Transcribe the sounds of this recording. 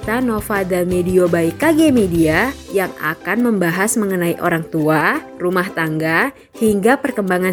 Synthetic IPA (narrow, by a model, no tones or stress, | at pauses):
t̪anofadamediobaikaɡemediajaŋa̰kanməmbaɦasməŋənaiʔoɾaŋt̪ua | rumaht̪aŋɡa | hiŋɡapərkəmbaŋa